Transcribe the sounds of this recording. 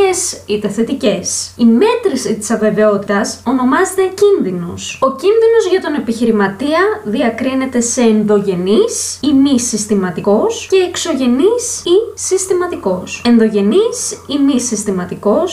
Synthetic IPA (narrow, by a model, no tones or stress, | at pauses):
esit̪e̞θe̞t̪ice̞sime̞t̪ɾisit̪i̥sɐve̞ve̞o̞t̪it̪ɐso̞no̞mɐzet̪e̞cinðino̞so̞cinðino̞zʝɐt̪one̞piçiɾimɐt̪iɐðiɐkɾine̞t̪e̞se̞ːnðo̞ʝe̞nisimisist̪imɐt̪iko̞sce̞ːkso̞ʝe̞nisisist̪imɐt̪iko̞se̞nðo̞ʝe̞nisimisist̪imɐt̪iko̞s